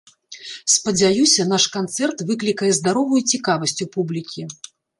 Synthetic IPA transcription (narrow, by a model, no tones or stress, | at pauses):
spɐd͡zʲajusʲɐnaʂkant̪sɛrt̪vɨklʲikɐjɛzd̪aɾɔvujut͡sʲikavɐsʲt͡sʲupublʲikʲi